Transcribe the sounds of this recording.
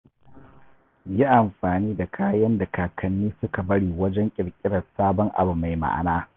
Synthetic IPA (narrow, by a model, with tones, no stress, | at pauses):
ji˦ʔa˨mɸaː˨niː˦da˨kʰaː˦jɐ˦nda˨kaː˨kʰɐ˨nːiː˦sʊ˦ka˨bɐ˦ɽiː˨wɐ˦d͡ʒɛ˦ŋkʲʼɪ˨ɽkʲʼɪ˦ɽɐ˨saː˦bɔ˦ŋʔa̰˨bu˨ma˨jma̰˦˨ʔa̰˨naː˦